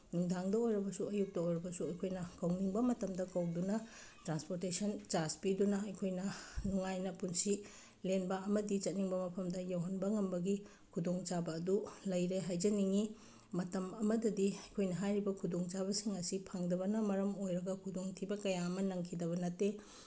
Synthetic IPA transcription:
nuŋdaŋdɐojɾɐbɐsuɐjuk̚tɐojɾɐbɐsuɐjkʰojnɐkɐwniŋbɐmɐtɐmdɐkɐwdunɐ | tɾanspoɾtesɐnt͡ʃaspidunɐɐjkʰojnɐnuŋajnɐpunsi | lenbɐːmɐdit͡ʃɐt̚niŋbɐmɐpʰɐmdɐjawɦɐnbɐŋɐmbɐɡi | kʰudoŋt͡ʃabɐːdulɐjɾeɦajd͡ʒɐniŋi | mɐtɐmɐmɐdɐdiɐjkʰojnɐɦajɾibɐkʰudoŋt͡ʃaβɐsiŋɐsipʰaŋdɐbɐnɐmɐɾɐmojɾɐɡɐkʰudoŋtʰibɐkɐjaɐmɐnɐŋkʰidɐβɐnɐtːe

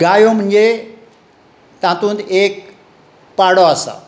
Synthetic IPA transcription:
ɡaːjom̤ə̃ɲʲd͡ʑe | t̪ãːt̪ũnd̪eːk̚ | paːɽoasa̰

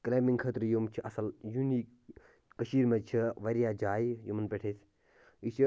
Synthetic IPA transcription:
kleːmiŋɡkʰɐt̪ɾjumt͡ʃʰiʔɐsɐljuniːk | kɐʃiːɾmet͡ʃʰiʋɐɾijaːd͡ʒaːjjumɐnpeʈʰeːs | it͡ʃʰi

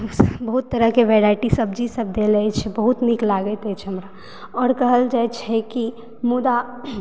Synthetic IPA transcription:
bəɦut̪ːəɾəɦkeʋɛɾaɪʈisəbd͡ʒisəb̚d̪eləɛt͡ʃʰɛbəɦut̪niklaɡɛt̪ɛt͡ʃʰɛɦəmɾa | ɔːɾkəɦəld͡ʒaɛt͡ʃʰɛki | mud̪a

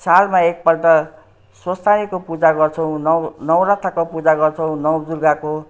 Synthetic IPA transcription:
salmaek̚pʌrd̪ʌ | swʌst̪anikopud͡zaɡʌrt͡sʰʌw̃nnʌwɾat̪ʰːakopud͡zaɡʌrt͡sʰʌw̃nʌwd͡zurɡako

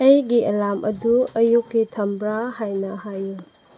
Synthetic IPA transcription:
ɐjɡiɐlamʔɐduɐjukːitʰɐmbɾahajnɐhaju

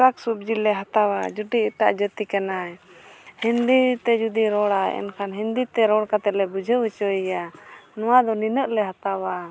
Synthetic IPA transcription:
ɾaksup̚d͡ʒilɛɦat̪awad͡ʒuɖiɛʈa̰ʔd͡ʒət̪ikanaɛ | hind̪it̪ɛd͡ʒud̪iɾɔɽaɛ̰nkʰanɦind̪it̪ɛɾɔɽkat̪ɛlɛbud͡ʒʱəut͡ʃəijanɔwad̪ɔninəʔlɛɦat̪awa

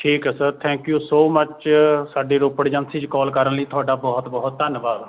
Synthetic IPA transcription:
ʈʰiːkɛsəɾt̪ʰɛ̃ːŋkjuːsoːmət͡ʃsaːɖiːɾoːpəɽd͡ʒənsĩːt͡ʃkɔːlkəɾənləiːt̪ʰʊaːɖaːbɔːt̪bɔːɦʊt̪ːənʋaːd̪

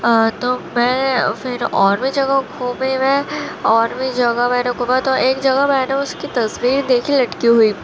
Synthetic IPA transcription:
t̪oːmɛ̃ːfɪɾɔːɾmid͡ʒɐɡaɡʰʱoːmeʋeɔːɾmid͡ʒɐɡamɛ̃ːneɡʱoːmat̪oʔeːkd͡ʒɐɡamɛ̃ːneʊskit̪ɐsʋiːɾd̪eːkʰilɐʈkiɦuiː

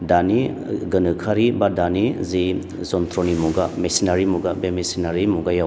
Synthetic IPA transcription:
dani | ɡɯnɯkʰaɾibadanizi | zɔntʰɾɔnimuɡamesinaɾimuɡabemesinaɾimuɡajaw

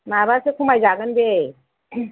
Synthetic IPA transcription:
mabaɾsekʰumajd͡ʒaɡənbe

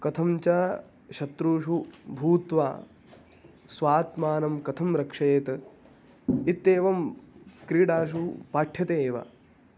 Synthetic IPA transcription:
kɐt̪ʰɐmt͡ʃaː | ʃɐt̪ɾuːʃubʱuːt̪ʋa̰ː | sʋaːt̪maːnɐmkɐt̪ʰɐmɾɐkʂɐjeːt̪ɐ | it̪ːeːʋɐmkɾiːɽaːʃupaːʈʰjɐt̪eːʋa̰

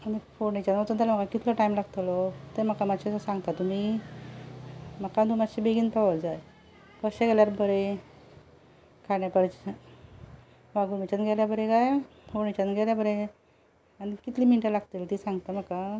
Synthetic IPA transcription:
anifoɾnit͡ɕanət̪ət̪alam̤əkakit̪ʰlɔʈaimlaɡt̪lɔt̪em̤əkamaɕesãŋɡt̪at̪um̤i | məkad̪umaɕibeɡiːnpaʋəld͡zaj | kəɕeɡɛljaɾbəɾe | kʰaɽjapəɾt͡ɕ | ʋaɡumit͡ɕanɡʱɛljabəɾekaj | foɳet͡ɕanɡʱɛljabəɾe | anikit̪liːminʈəlaɡt̪elt̪isaŋɡt̪aməka

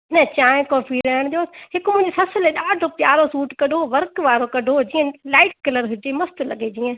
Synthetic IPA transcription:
nɐt͡ɕãːɪ̃kɔːpʰiɾɐəɽ̃d̪ijoːsɦɪkmʊ̃ɦɪ̃ɲd͡ʑesɐsəleɗaːɖʱopjaːɾosuːʈkɐɖʱoʋɐɾkʋaːɾokɐɖʱod͡ʑiːə̃laːɪʈ̚kɐləɾɦʊd͡ʒemɐst̪ʊlɐ̰ɡʱed͡ʑiːə̃

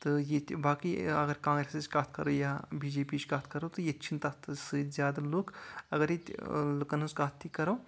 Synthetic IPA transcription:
t̪ɨjet̪baːkiɐɡɐɾkãːŋɡɾeseskaːt̪ʰkɐɾojabiːd͡ʒeːpit͡ʃkat̪ʰkɐɾot̪ɨjetːt͡ʃʰint̪ɐt̪sɨzʲjaːd̪ɐloːkɐɡɐɾit̪lukɐnskaːt̪ʰːikɐɾɐː

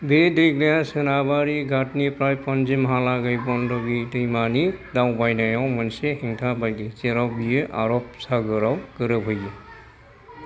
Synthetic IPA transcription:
bedeɡlejasɯnabaɾiɡatnipɾajpɔnd͡ʒimɦalaɡajbɔndɔɡidɯjmanidawbajnajawmansehiŋtʰabajɡet͡ʃeɾawbijɯʔa̰ɾɔp̚saɡɯɾawkɯɾɯbʱɔjɡɯ

